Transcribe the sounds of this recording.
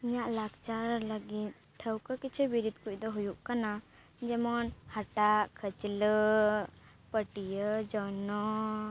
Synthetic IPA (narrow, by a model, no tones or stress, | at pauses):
iɲaʔlaɡt͡ʃaɾləɡit̪̚ | ʈʰːəwkəkit͡ʃʰɛbiɾid̪kuc̚ˀd̪ɔɦujuʔkana | d͡ʒɛmɔnhaʈaʔkʰət͡ʃlə | pəʈijəd͡ʒɔnɔ